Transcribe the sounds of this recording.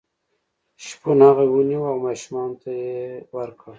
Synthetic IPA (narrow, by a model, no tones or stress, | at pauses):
ʃponaɣawuniwawmɑʃmɑnt̪ajewaɾkʰa